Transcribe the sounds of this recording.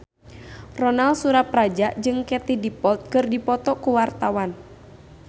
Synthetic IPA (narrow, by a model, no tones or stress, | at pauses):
rɔnalsuɾap̚rad͡ʒaʔd͡ʒɨŋkɛt̪idipɔlt̪̚kɨrdipɔt̪ɔkuwart̪awan